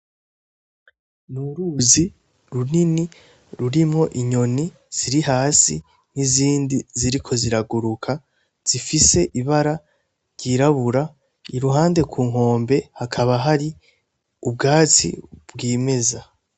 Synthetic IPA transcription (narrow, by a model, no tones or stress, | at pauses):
nuɾuzi | ɾunini | ɾuɾimŋo̞ʔiɲo̞ni | z̥iɾiɦaːsi | n̥iziːndiziɾikʰo̞ziɾaɡuɾukʰa | z̥ifise̞ʔiβaɾa | ɾɟiːɾaβuɾa | iɾuɦaːnde̞kʰuːŋɦo̞ːmbe̞hakʰaβaɦaɾi | ub̚ɡaːt͡sḭbɡiːme̞za